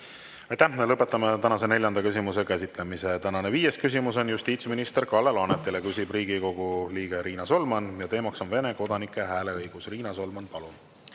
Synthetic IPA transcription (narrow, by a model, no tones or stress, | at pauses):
ɑjt̪æhmelɤpːˑe̞t̪ːˑɑmet̪ænɑse̞ne̞lʲjɑnd̪ɑkys̬ʲimuse̞kæsit̪ˑle̞mise̞t̪ænɑne̞viːje̞skys̬ʲimuso̞njust̪iːt̪sminist̪e̞rkɑlːeloɑnet̪ːˑilekysʲib̥riːɡ̥iko̞ɡ̥uliːɡ̥e̞ɾiːnɑso̞lmɑnjɑt̪e̞ːmɑkso̞nve̞ne̞ko̞d̪̥ɑnikːˑe̞ɦæːle̞ɤjɡ̥usriːnɑso̞lmɑnpɑlun